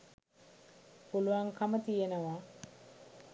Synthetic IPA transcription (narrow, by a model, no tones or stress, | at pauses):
puluʋaŋkʰamət̪ijenəʋa